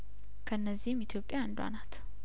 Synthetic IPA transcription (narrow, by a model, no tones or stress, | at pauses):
kʰəɨnːəzːihɪmit̪ʰjo̞pʼːjand̪wa̰nat̪